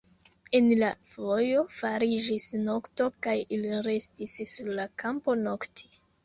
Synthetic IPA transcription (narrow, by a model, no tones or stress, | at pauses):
e̞nlavo̞jo̞faɾid͡ʒisno̞kto̞kajiliɾe̞stisːuɾlakampo̞no̞ktʰi̥